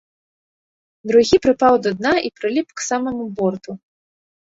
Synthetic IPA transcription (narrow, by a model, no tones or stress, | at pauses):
d̪ɾuɣʲipɾɨpawd̪ɔd̪̚naʔipɾɨlʲipksamɐmubɔrt̪u